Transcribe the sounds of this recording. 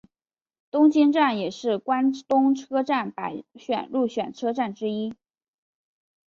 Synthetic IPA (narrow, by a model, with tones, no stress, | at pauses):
t̪ʊ˥ŋt͡ɕi˥nʈ͡ʂa˥˩njɛ˨˩ʂɻ̩˥˩kwa˥nt̪ʊ˥ŋʈ͡ʂʰɤ˥ʈ͡ʂa˥˩npa˧˩˥ɪɕɥɛ̰˨˩nɻu˥˩ɕɥɛ˨˩nʈ͡ʂʰɤ˥ʈ͡ʂa˥˩nʈ͡ʂɻ̩˥i˥